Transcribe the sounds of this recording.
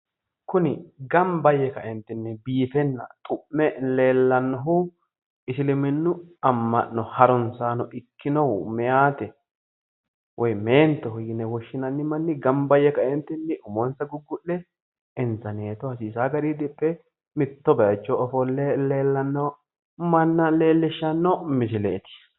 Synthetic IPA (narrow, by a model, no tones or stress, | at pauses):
kʊnɪɡɐmbɐjːɛkɐʔɛnt̪ːɪnːɛbiːfɛnːɐ̰t̪ʼʊʔːɛle̞ːlːɐnːɔɦʊ | ɪsɪlɪmɪnːʊɐmːɐ̰ʔːɔhɐɾɔnsaːnɔʔɪkːɪnɔwʊmɛjaːt̪ɛ | wʔɔjmeːnt̪ːɛɦʊjɪnɛwɔʃːɪnɐnːɪmɐnːɪɡɐmbɐjɛkɐʔɛnt̪ːɪnːɪʔʊmɔnsɐɡʊɡːʊʔlɛ | ɛnzɐneːt̪ɔhɐsiːsaːɡɐɾid̪ɪpʼːɛ | mɪt̪ːɔbɐjɐt͡ʃːɔɔfɔlɛleːlːɐnːɔ | mɐnːɐle̞ːlːɪʃːɐnːɔmɪsɪlḛːt̪ɪ̥